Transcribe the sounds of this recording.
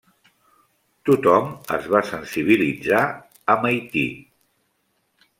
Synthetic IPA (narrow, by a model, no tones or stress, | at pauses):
t̪ut̪ɔmə̰zβasənsiβ̞ilid͡za | əməjt̪ḭ